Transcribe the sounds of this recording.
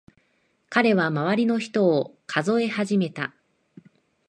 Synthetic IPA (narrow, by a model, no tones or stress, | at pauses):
kaɾe̞β̞amaβaɾʲino̞çi̥t̪o̞ːkʰazo̞e̞haʑime̞t̪a